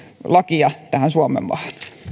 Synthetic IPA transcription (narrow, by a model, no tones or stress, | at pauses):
lɑkiɑt̪æhænsuɑmḛmʋɑ̰hn̥